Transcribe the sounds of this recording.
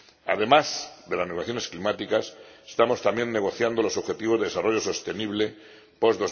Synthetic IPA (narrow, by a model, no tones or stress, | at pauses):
a̰ðe̞mazðe̞lazneɣaθjo̞ne̞sklimat̪ikasest̪amo̞st̪ambje̞nːe̞ɣ̞o̞θjand̪olo̞so̞βxe̞t̪iβoðe̞esaro̞ʝoso̞st̪e̞niβle̞ | po̞zðo̞z